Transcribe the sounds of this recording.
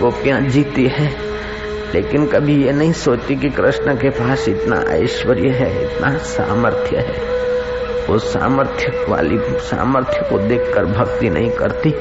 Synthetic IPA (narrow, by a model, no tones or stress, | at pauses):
ɡoːpijãd͡ʒiːt̪iɦɛ̃ː | lḛːkɪnkɐbʱijenɐɦĩsoːt͡ʃt̪ikikɾɪʃnəkepaːʃɪt̪na̰ʔə̰ɪʃwəɾjəɦɛɪ̰t̪nasa̰ːməɾt̪ʰjə̰ɦɛ̰ː | ʊssa̰ːməɾt̪ʰjəʋa̰ːlisa̰ːməɾt̪ʰjəkod̪eːkʰkəɾbʱɐɡt̪inɐ̰ɦĩkɐ̰ɾt̪i